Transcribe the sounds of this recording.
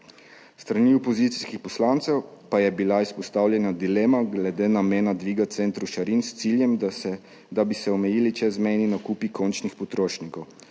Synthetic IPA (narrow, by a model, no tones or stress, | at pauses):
st̪ɾaniɔpɔzit̪si̥skixpɔslaːnt̪sɛwpajɛbilaispɔst̪aːwljɛnad̪ileːmaɡlɛd̪eːnameːnad̪ʋiːɡat̪t̪sent̪ɾuʃaɾinst̪siljɛm | d̪abisɛɔmɛjiːlit͡ʃɛzmɛjninakuːpikʰont͡ʃnixpɔt̪ɾoːʃnikɔw